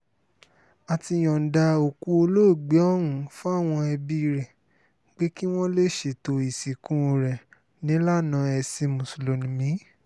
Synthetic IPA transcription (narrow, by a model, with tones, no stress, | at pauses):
a˨ti˧˨j̃ɔ̃˨n̩˨da˧o˨ku˧˦o˧lo˦˨ɡ͡be˨˦ɔ˦ɾũ˨˦fu˦a˦˨w̃ɔ̃˧ɛ˧bi˧ɾɛ˨ | ɡ͡be˨˦ki˦w̃ɔ̃˦le˦˨ʃe˨to˧i˨si˨kũ˦o˧ɾɛ˨ | nĩ˨˦la˦nã˨˧˦ɛ˧si˧mũ˨so˨lo˨nĩ˨mĩ˨˦